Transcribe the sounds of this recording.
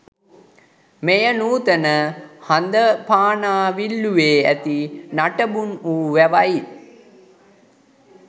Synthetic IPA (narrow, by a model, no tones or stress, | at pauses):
mejənuːt̪ənəhand̪əpaːnaːʋilːuʋeːæ̰t̪inaʈəbunuːʋæʋai